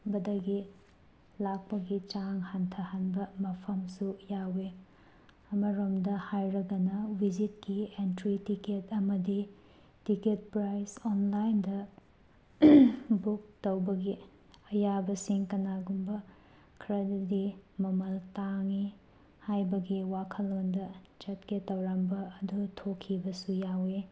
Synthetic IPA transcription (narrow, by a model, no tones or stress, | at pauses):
bɐdɐɡi | lak̚pɐɡit͡ʃaŋhantʰɐhanbɐmɐpʰɐmsujawe | ɐmɐɾomdɐhajɾɐɡɐnɐwid͡ʒit̚kientɾitiketɐmɐdi | tiket̚pɾajsonlajndɐ | buk̚tɐwbɐɡi | ɐjabɐsiŋkɐnaɡumbɐ | kʰɾɐddimɐmɐltaŋi | hajbɐɡiwakʰɐlondɐd͡ʒɐtketɐwɾambɐːdutʰokʰːibɐsujawe